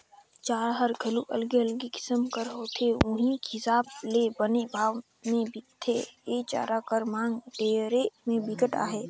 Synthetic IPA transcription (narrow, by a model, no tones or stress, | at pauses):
t͡ʃaːɾɦəɾɡʱɐluʔɐlɡeəlɡikɪ̥səmkəɾɦoːt̪ʰeʊ̃ɦĩkɪsaːblebənebʱaːʋ | mẽbikt̪ʰːeeːt͡ʃa̰ːɾakəɾmãːŋɡɖeːɾemẽbɪkəʈa̰ːɦeː